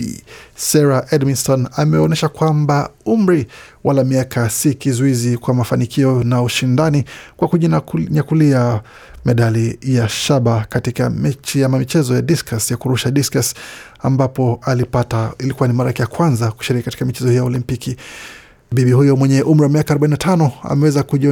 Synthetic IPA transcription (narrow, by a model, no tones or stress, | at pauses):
sɛɾaʔɛdminstɔnamɛɔnɛʃakwambaum̩ɾiwalamiakasikizuizikwamafanikʰiɔnauʃindanikwakuɲɲakulia | mɛɗalijaʃaɓakatikamɛiamamit͡ʃɛzɔjadiskasjakuɾuʃaɗiskas | a̰mbapɔalipatailikuwanimaɾakɛjakwanzaku̥ʃiɾikikati̥kamit͡ʃɛzɔhijaɔlimpiki | biɓihujɔmwɛɲɛʔum̩ɾiwamiakaːɾɔbɓaininatʰanɔa̰mɛwɛzakuʄi